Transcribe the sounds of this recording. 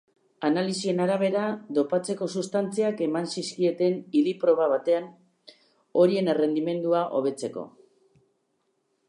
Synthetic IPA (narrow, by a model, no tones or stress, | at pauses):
analisie̞naɾaβ̞e̞ɾad̪o̞pat͡se̞ko̞sust̪ant͡siake̞mansiskie̞t̪e̞niðipɾo̞β̞aβat̪e̞an | o̞ɾie̞nere̞nd̪ime̞nd̪uaʔo̞̰β̞e̞t͡se̞ko̞̰